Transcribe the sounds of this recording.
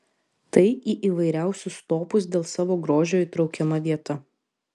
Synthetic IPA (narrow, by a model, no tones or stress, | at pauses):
t̪ɐɪiːʔiːʋɐɪɾʲæˑʊsʲʊst̪oːpʊs̬d̪ʲeːlˠsɑːʋoːɡɾoːʒʲoːit̪ɾɒʊkʲɛmɐʋʲiɛt̪ɐ